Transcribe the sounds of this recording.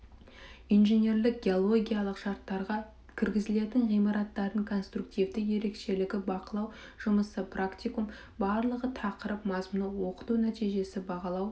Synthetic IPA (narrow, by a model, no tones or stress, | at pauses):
ijnʒenʲe̞rlɪk̚ɡʲeo̞lˠo̞ɡʲijalˠəqʃɑɾt̪ːɑɾʁɑ | kʲʰɪɾɡʲɪzɪle̞t̪ɪŋʁijmɑɾɑt̪ːɑɾəŋkʰo̞nst̪ruk̚t̪ijvd̪ɪje̞ɾe̞kʃe̞lɪɡʲɪbɑqəlˠɑw | ʒ̥ʊməsəprakt̪ʲijkum | bɑɾlˠəʁət̪ʰɑqəɾəpmɑzmʊnəwo̞qə̥t̪unæt̪ijʒe̞sɪbɑʁɑlˠɑw